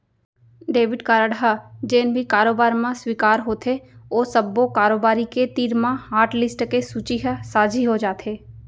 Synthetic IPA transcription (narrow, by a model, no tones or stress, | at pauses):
ɖeːʋɪɖkaːɾəɽɦad͡ʒeːnbʱikaːɾoːbaːɾmãswiːkaːɾɦoːt̪ʰeoːsəbːokaːɾoːbaːɾiket̪iːɾmãɦaːɾʈlɪsʈkesuːt͡ʃiɦsaːd͡ʒʱiɦod͡ʒaːt̪ʰeː